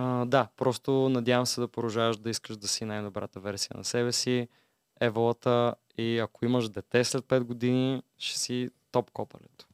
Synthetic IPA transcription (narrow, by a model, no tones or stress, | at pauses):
əd̪apɾɔst̪onɐd̪javəmsɛd̪ɐpoɾɐʒavəʃd̪ɐiskəʃd̪ɐsinajd̪obɾa̰t̪əvɛɾsijə̰nɐ̰sɛbɛsi | ɛvlˠət̪ə | iɐkoiməʃd̪ɛt̪ɛslɛt̪̚pɛd̪ɡod̪iniʃɛ̥sit̪ɔpkɔpɐ̰lɛ̰t̪ʊ̥